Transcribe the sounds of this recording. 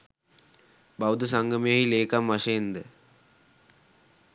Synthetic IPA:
bawd̪əsaŋɡəmijaɦileːkamʋaʂɐjend̪ə

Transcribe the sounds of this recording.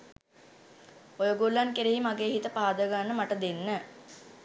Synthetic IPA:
ojoɡulːankeɾeːimaɡeːɦit̪əpaːd̪əɡanːəmaʈəd̪enːə

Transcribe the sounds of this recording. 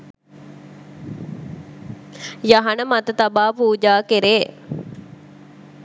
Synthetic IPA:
jaɦɐnəmat̪ət̪abaːpuːd͡ʒaːkeɾeː

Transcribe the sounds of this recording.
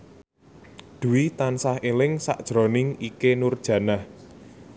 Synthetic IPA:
d̪̥ṳwit̪ansahelɪŋsa̰ʔd̥ʒ̥ɾɔ̤nɪŋikenurd̥ʒ̥ä̤nah

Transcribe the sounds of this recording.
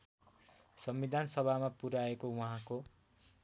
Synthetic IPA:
sʌmbid̪ʱansʌbʱamapuɾaekowuɦãko

